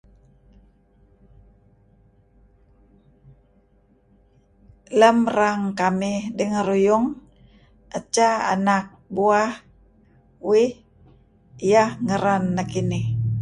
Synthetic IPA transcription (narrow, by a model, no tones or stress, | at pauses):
ləmraŋkamɪhdəŋəɾujʊŋ | ʔət͡ʃaa̰nak̚buah | wɪh | ijahŋəɾanːakinɪh